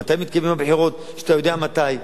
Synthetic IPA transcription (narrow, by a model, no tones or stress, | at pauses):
at̪ajmit̪kajmimabħiʁo̞t̪ | ʃeat̪ajo̞d̪eamat̪aj